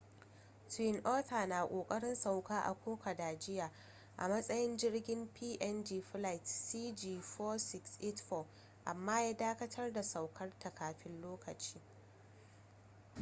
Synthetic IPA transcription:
twɪ˦nʔoː˦ta˨naː˨kʷʼoː˨kʼɐ˦ɽɪ˦nsa˨wkaː˦ʔa̰˨kʷʰoː˦kɐ˨daː˨d͡ʒɪ˦jaː˨ | ʔa̰˨mɐ˦sʼɐ˦jɪ˦nd͡ʒɪ˦rɡʲɪ˦mpʰiː˦ʔɛ˦nd͡ʒiː˨ɸla˦˨jtsiː˦d͡ʒiː˨ɸɔː˦sɪ˦ksʔɪ˦tɸɔ˦ | ʔa˨mːaː˦jaː˦daː˦kɐ˦tʰɐ˦rda˨sa˨wkʰɐ˦rtʰa˨kaː˨ɸɪ˦nloː˦kɐ˨t͡ʃiː˦

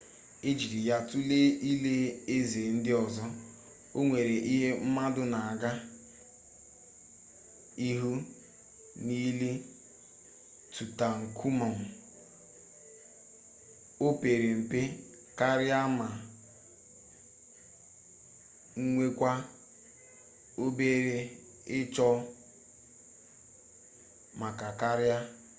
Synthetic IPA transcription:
e˦d͡ʒi˨ɾi˨ja˦tu˦le˦ʔi˦le˦e˦ze˨n̩˦dɪ˦ɔ˨zɔ˦ | o˦ŋʷe˨ɾe˨ʔi˦ɦe˦m̩˦ma˦dʊ˦na˨a˨ɡa˦ | i˦ɦu˦ | niː˦le˦ | tu˨ta˨ŋ̩˨kʰu˦ma˨m̩˨ | o˦pe˨ɾe˨m̩˨pe˦ | ka˦ɾja˦ma˨ | ŋ̩˦ŋʷe˦kʷa˦ | o˦be˦ɾe˨ | ɪ˦t͡ʃɔ˦ | ma˨ka˨ka˦ɾja˦

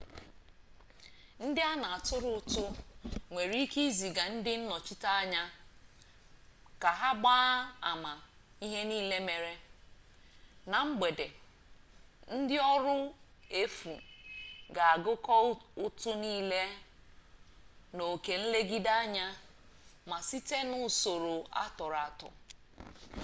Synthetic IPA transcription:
n̩˦dɪ˦a˦na˨a˨tʊ˦ɾʊ˨ʊ˦˨tʊ˦ŋʷe˨ɾi˦ki˦zi˨ɡa˨n̩˦dɪ˦n̩˦nɔ˨t͡ʃɪ˦ta˦a˦ɲa˦ | ka˨ɦa˦ɡ͡ba˦a˨ma˨ | i˦ɦe˦niː˦le˦me˨ɾe˦ | na˨ŋ͡m̩˦ɡ͡be˨de˨ | n̩˦dɪ˦ɔ˦ɾʊ˦e˦fṵ˨ | ɡa˨a˨ɡʊ˦kɔ˦ʊ˦tʊ˦niː˦le˦ | no˨ke˨n̩˦le˦ɡi˦da˦a˦ɲa˦ | ma˨si˦te˦nʊ˦so˨ɾo˨a̰˦tɔ˨ɾa˨tʊ̰˨

